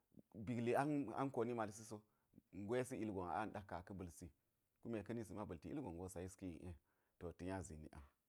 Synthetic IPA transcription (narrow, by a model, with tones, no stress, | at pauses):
bi˨ɡli˨a˦na̰˦nko˨ni˦ma˨ls̬i˦so˦ | ŋ̩˨ɡʷo˦e˦si˦i˦lɡo˨na̰˨a˦n˨da˦kːa˨kə˦bə˨lsi˦ | ku˦me˨kə˦ni˦si˨ma˦bə˨ti˨ḭ˦ɡo˨ŋɡo˦sa˨ji˦ski˦jḭ˨ʔe˦ | to˨ti˨ja˦zḭ˨nḭ˨ʔa̰˨